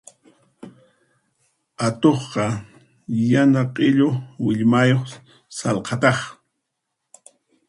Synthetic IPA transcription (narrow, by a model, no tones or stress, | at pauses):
at̪oχqɑ | janaqʼɪʎowɪʎmajoχ | sɑlqʰɑt̪ɑχ